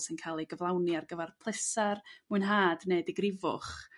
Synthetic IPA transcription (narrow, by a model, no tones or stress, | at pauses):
sɪnkʰalˠiɡəvlˠawniarɡəvɛrpʰlˠɪsarmuɨnɦaːdnediɡrɪvʊ̰χ